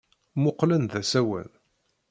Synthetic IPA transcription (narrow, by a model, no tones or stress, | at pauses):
mʊqːlənðæsæwə̰n